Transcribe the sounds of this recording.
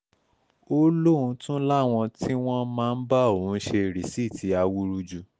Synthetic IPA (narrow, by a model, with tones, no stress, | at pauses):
o˦lo˦˨ũ˧tũ˦la˦˨w̃ɔ̃˧ti˦w̃ɔ̃˦mãː˦˧n̩˦ba˦o˨ũ˨˦ʃe˧ɾi˨si˦˨tʰi˨˦a˧wu˦ɾu˧d͡ʒu˧